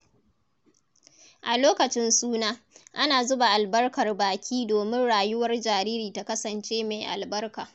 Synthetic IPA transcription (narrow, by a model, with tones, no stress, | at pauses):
ʔa˨loː˦kɐ˨t͡ʃɪ˦nsuː˦naː˦ | ʔa˦naː˨zʊ˦ba˨ʔa˨lbɐ˦rkɐ˨rbaː˨kʲʰiː˦doː˨mɪ˦nɽaː˨jʊ˦wɐ˦rd͡ʒaː˨ɾiː˦ɾiː˨ta˨kɐ˦sɐ˨nt͡ʃeː˦ma˨jʔa̰˨lbɐ˦rkaː˨